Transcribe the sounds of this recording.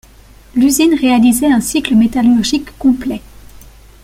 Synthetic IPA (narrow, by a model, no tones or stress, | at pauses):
lyzinʁealizɛɛ̃sikləmet̪alyʁʒikːɔ̃plɛ